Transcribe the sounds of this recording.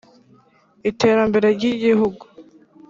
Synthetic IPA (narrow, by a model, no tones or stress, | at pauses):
ite̞ːɾambe̞ɾe̞ɾɟiɟihuɡu